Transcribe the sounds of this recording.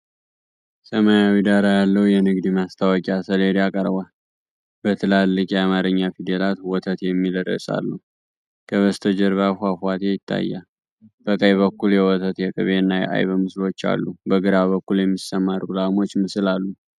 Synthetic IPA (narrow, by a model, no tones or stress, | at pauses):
səmajawid̪aɾajalːəwjɛnɨɡd̪imast̪ʰawɔkʼiasəleɾiakʼəɾbal | bət̪ʰɨlalːɨkʼiamaɾɨɲːafid̪elat̪wɔt̪ʰət̪jɛmːiləɾə̰sʼa̰lːu | kʰəβəst̪ʰəd͡ʒɛɾβafafwat̪ʰejɪt̪ʰːa̰jːa | b̥əkʼəjβəkːuljɛwɔt̪ʰət̪jɛkʼɨ̰βeɨnːajɛ̰ʔa̰jβəmɨslo̞t͡ʃːa̰lːubəɡɨɾaβəkːuljɛmːisːəmaɾɡulamo̞t͡ʃːmɨsɨlalːu